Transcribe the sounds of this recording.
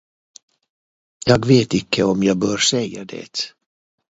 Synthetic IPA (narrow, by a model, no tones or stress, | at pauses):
jɑːɡveːt̪ɪkʰːəɔmjɑːɡ̚bœːɾsɛjːad̪ɛ̰ːt̪